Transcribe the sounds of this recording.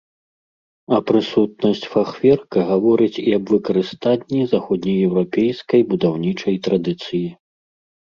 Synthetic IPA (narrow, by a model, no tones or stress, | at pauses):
ɐpɾɨsut̪̚nɐsʲt͡sʲfaxvʲɛrkɐɣavɔɾɨt͡sʲiɐbvɨkɐɾɨst̪anʲːizaxɔd̪ʲnʲɐjɛwɾapʲɛjskɐjbud̪awnʲit͡ʂɐjt̪ɾad̪ɨt̪sɨji